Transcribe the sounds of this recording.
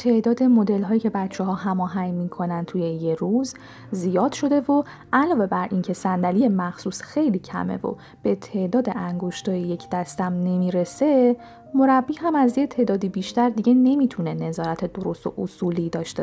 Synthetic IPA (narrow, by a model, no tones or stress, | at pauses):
t̪ʰe̞ʔd̪ɒːd̪e̞mo̞d̪e̞lɦɒːjiːcʰe̞bæt̪t͡ʃʰɛɦɒːɦæmɒːɦæŋmikʰo̞nænt̪ʰujejeɾuz | zijɒːd̪̥ʃo̞d̪e̞vo | ʔælɒːve̞bæɾʔincʰe̞sænd̪ælijemæxsuːsxejliːcʰæ̰me̞̰vo̰ | b̥e̞t̪ʰe̞ʔd̪ɒːd̪eʔæŋɡo̞ʃt̪ɒːjeje̞cʰd̪æst̪æmne̞miːɾe̞se̞ | mo̞ɾæbːiːɦæmæzjet̪ʰe̞ːd̪ɒːd̪ibiːʃt̪æɾd̪iɟe̞ne̞miːt̪ʰune̞ne̞zɒːɾæt̪ʰe̞d̪o̞ɾo̞st̪o̰ʔosuːliːd̪ɒːʃt̪e